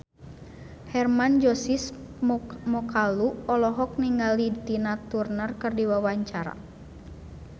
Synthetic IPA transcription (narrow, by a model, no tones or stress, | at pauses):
hɛrmand͡ʒɔsis | mɔkaluɔlɔɦɔk̚niŋɡalit̪inat̪urnərkɨrdiwawaɲt͡ʃaɾa̰